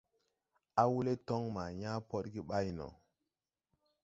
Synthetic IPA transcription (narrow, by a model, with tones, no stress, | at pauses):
a˦wu˦le˦tɔ˦ŋma˨ɲa˦po˦ɗɡi˦ɓa˦jnɔ̰˨